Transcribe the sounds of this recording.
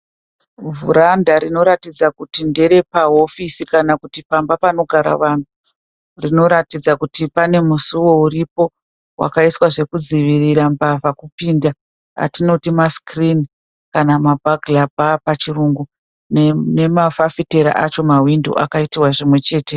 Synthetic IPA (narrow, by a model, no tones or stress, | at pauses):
vṵɾandaɾino̞ɾatid͡zakutinde̞ɾe̞paɦo̞fisikanakutipambapano̞ɡʱaɾa̰ʋaːn̤u | rino̞ɾatid͡zakutipane̞musuwo̞uɾipo̞ | wʔa̰kaiswaʐe̞kud͡ziʋiriɾambavakupiːnda | a̰tino̞timaskrin | kanamabʱaɡʱlabʱapat͡ʃiruŋɡu | nne̞mafafite̞ɾa̰ʔat͡ʃo̞mawindṵʔakaitiwaʐimwe̞t͡ʃe̞ːte̞